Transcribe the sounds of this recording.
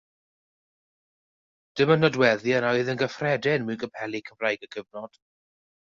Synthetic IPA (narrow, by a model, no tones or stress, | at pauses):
d̥ɪmənɔdwɛðjəɾɔɨðənɡəfrɛdɪnmɨnɡəpʰɛlikʰəmrajɡəɡ̥əvnɔd̥